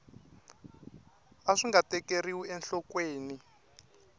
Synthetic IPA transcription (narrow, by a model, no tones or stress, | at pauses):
aʂiŋɡatɛkeriwiɛnɬɔkweːni